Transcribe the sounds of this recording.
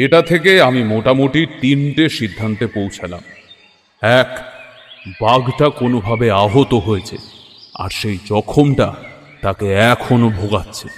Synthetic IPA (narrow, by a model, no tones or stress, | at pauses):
eʈat̪ʰekeamimoʈamoʈiɾt̪inʈeʃid̪ʱːant̪epowt͡ɕʰala̰m | ɛk | baɡʈakonobʱabeaɦot̪oɦojet͡ɕʰḛ | a̰ɾʃejd͡ʑɔkʰomʈa | t̪akeɛkʰonobʱoɡatːɕʰe